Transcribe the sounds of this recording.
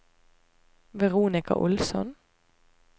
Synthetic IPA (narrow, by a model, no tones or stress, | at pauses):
ʋɛʁuːnɪkɑ̰ʔʊlsɔn